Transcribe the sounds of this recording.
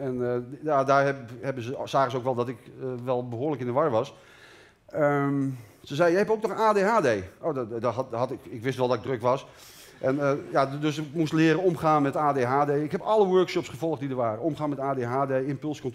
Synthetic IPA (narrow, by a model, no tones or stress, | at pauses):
ɛnjadaːɹɛhɛbəzəsaːəzəowkʋɛlˠdɔtɪkʋɛlˠbəɦoːləkɪndəʋarʋɑs | ə | səzɛjjəɦɛpowk̚nɔxaːdeːɦaːdejoːddɦɑtɪkɪkʋɪsnɔɛlˠdɔtɪɡ̚drøkʋɑs | ʔɛnjadøskmustlɪəɾəɔmχaːnmɛtaːdeːɦaːdeːɪkhɛpɔləʋøɹkʃɔpsχəvɔlˠχtdidərɹʋaːrəomχaːnmɛtaːdeɦaːdejɪmpølˠskɔnt